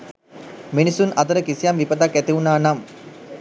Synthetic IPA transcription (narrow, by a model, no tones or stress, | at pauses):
minisunat̪əɾəkisijamʋipət̪akːæt̪iunaːnam